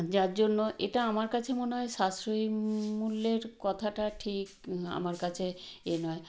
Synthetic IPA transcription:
d͡ʑaɾd͡ʑonːoʔeʈaamaɾkat͡ɕʰemoneɦɔeʃasɾoimulːeɾkɔt̪ʰaʈaʈʰika̰maɾkat͡ɕʰeenɔe

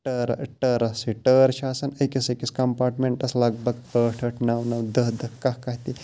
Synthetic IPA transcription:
ʈəɾʈəːɾɐsiʈəːɾʃaːsɐnəkʲisekʲiskɐmpaːɾʈmeɳʈɐslɐɡ̚bɐɡəːʈʰəʈʰnɐwnɐwd̪əɦd̪əkakɐɦt̪i

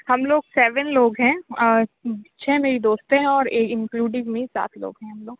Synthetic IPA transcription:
hɐmloːɡsɛːʋənloːɡɦɛ̃ː | t͡ʃʰɛːmeːɾid̪oːst̪ẽɦɛ̃ɔːɾeːkɪ̃ŋkluːɖɪ̃ŋmẽsa̰ːt̪ʰlo̰ːɡɦɛ̃ɦɐmloːɡ

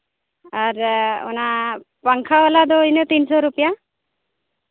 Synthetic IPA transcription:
aɾɔ̰napaŋkʰaɔlad̪ɔjnət̪insɔɾupija

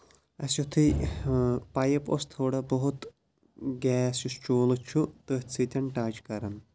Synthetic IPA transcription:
ɐsjut̪ʰi | pɐjɐpo̰st̪ʰoːɽɐbɔɦut̪ | ɡɛːsjust͡ʃoːlɨt͡ʃʰut̪əːt͡sʰit̪ʲɐɳʈaːt͡ʃkɐɾɐn

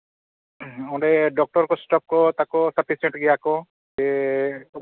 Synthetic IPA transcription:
ɔ̃ɖeɖɔk̚ʈɔɾkɔsʈɔp̚kɔt̪akɔsapʰiseɳʈɡijakɔ | d͡ʒe

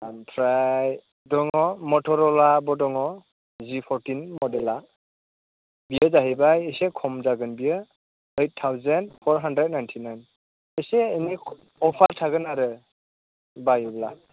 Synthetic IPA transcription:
ampʰɾaj | dɔŋɔmɔtʰɔɾɔlabɔdɔŋɔ | zipʰɔɾtinmɔdɛla | bijəzaɦibajejsekʰɔmzaɡɯnbijə | ejt̚tʰːawzɛndpʰɔɹɦandɾɛd̚najntʰinajn | əjseːni | ɔpʰaɾtʰaɡɯnaɾɯ | bajubla

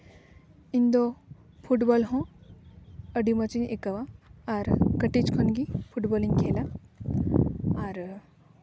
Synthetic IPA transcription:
ĩnd̪o | pʰuʈbɔlɦõ | ɐɖimɐt͡ʃinekɐʋaaɾkəʈit͡ʃkʰonɡipʰuʈbɔːliŋkʰeːla | aɾ

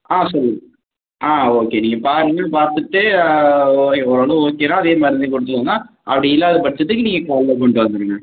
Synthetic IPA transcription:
aːsɔlːɯŋɐ | ʔaːoːkːeniːŋɡɐpaːɾɯŋɡɐɭpaːɾt̪ɯʈːeː | ɔɾoːnɯoːkːenaːɐðeːmɐɾɐekɔɽɯt̪ːɯlonːaː | ʔɐ̰pːɐɽiɪlːaːðɐpɐɽɪt͡ɕːɐt̪ːɯkːɯniːŋɡɐkaːɭːɐkɔɳɖɯʋɐnd̪ɯɾɯŋɡɐ

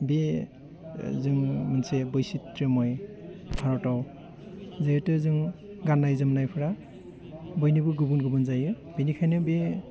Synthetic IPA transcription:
be | zɯŋmɯnsebɯjsitɾɯmɔjbʰaɾɔtaw | zejtɯzɯŋ | ɡanːajzɯmnajpʰɯɾa | bɔjnibuɡubunɡubɯnzajɯ | binikʰajnɯbe

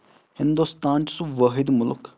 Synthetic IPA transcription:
hɪnd̪ust̪aːnt͡ʃsubʋəɦɪd̪mʊlʊk

